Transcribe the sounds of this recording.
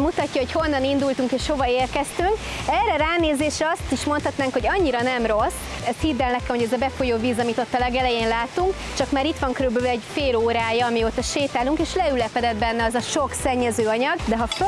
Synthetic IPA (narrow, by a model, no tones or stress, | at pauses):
mut̪ɒcːɒɦo̞cho̞nːɒnind̪ult̪uŋkeːʃho̞vɒeːrkɛst̪yŋkɛrɛɾaːneːzeːʃɾɛɒst̪iʃmo̞nt̪hɒt̪naːŋkho̞ɟɒɲːiɾɒnɛmro̞sɛst̪hiːd̪ːɛlnɛkɛmho̞ɟɛzɒbɛfojoːviːzɒmit̪o̞t̪ːɒlɛɡɛlɛjeːnlaːt̪uŋk | t͡ʃɒkmaːɾit̪ʋɒŋkøɾybølɛɟfeːloːɾaːjɒːmijoːt̪ɒʃeːt̪aːluŋkeːʃlɛylɛpɛd̪ɛd̪̚bɛnːɛɒzɒʃo̞ksɛɲːɛzøːɒɲɒɡd̪ɛɦɒf